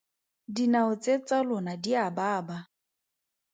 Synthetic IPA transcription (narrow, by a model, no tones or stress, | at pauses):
dinaʊt͡sʼet͡sʼalʊnadiabaːba